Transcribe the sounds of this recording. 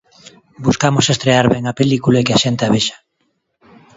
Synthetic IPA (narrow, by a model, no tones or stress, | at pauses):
buskamosest̪ɾeaɾβɛŋapelikulaekeaʃent̪eaβeʃḁ